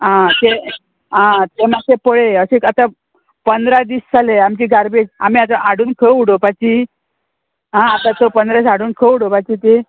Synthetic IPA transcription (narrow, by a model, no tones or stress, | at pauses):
ɦãt̪e | ãt̪emasepəɭeəɕekat̪a | pənd̪ɾad̪iːɕt͡saleamt͡ɕiːɡaɾbed͡zamiat̪aʔaɽuːnkʰəuɽopat͡ɕi | ɦãːt̪at̪opənd̪ɾasaɽuːnkʰəuɽopat͡ɕiːt̪e